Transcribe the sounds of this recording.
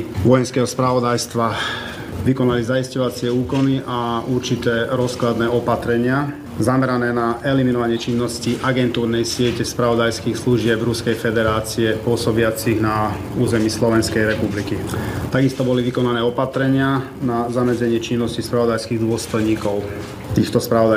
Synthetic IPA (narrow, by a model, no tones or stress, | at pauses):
ʋɔjɛnskɛːɦɔspɾaʋɔd̪ajst̪ʋa | ʋikɔnalizaiscɔʋat͡sɪɛuːkɔniʔauɾt͡ʃit̪ɛːɾɔsklad̪nɛːɔpat̪ɾɛɲɪa | zamɛɾanɛːnaʔɛliminɔʋaɲɪɛt͡ʃinːɔsciʔaɡɛnt̪uːɾnɛjsɪɛcɛspɾaʋɔd̪ajskiːxsluʒɪɛbɾuskɛjfɛd̪ɛɾaːt͡siɛpʊɔsɔbɪat͡siɣna | uːzɛmiːslɔʋɛnskɛjɾɛpublikit̪aɡist̪ɔbɔliʋikɔnanɛːɔpat̪ɾɛɲɪa | nazamɛd͡zɛɲɪɛt͡ʃinːɔscispɾaʋɔd̪ajskiːɣd̪ʊɔst̪ɔjɲiːkɔʊ | t̪iːxt̪ɔspɾaɔd̪a